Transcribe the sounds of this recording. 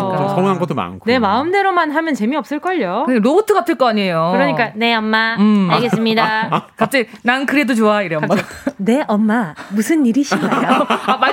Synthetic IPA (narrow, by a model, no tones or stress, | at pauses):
sonɦanɡʌt͈oma̰nɯkʰone̞maɯmde̞ɾomanɦamjʌnt͡ɕe̞miʌp̚s͈ɯɭk͈ʌʎːoɯeɾobotʰɯɡapʰɯɭk͈ʌaɲiejokɯɾʌɲik͈ane̞ʌmːaɯaɭɡes͈ɯmɲidakap̚t͡ɕ͈enankɯɾe̞dot͡ɕoaiɾeʌmːane̞ʔʌmːamusʰɯnːiɾiɕʰajjoama